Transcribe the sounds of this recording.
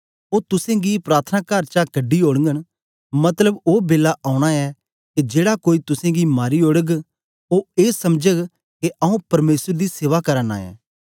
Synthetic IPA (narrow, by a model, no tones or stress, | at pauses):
oːt̪ʊsẽɡipɾaːt̪ʰənakɐɾt͡ʃakɐɖːioːɽəŋɡəñ | mɐt̪ləboːbeːlaʔaːʊ̃ɽ̃aɛ | ked͡ʒeːɽakoːit̪ʊsẽɡimaːɾioɽəɡ | oeːsɐmd͡ʒəɡ | keʔɐũpɐɾmeːsəɾd̪iseːʋakɐɾəna̰ːɛ̰ː